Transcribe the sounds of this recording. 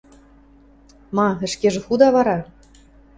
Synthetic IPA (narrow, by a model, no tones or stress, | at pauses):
mɑɘ̆ʃkeʒɘ̆xud̪ɑβɑɾɑ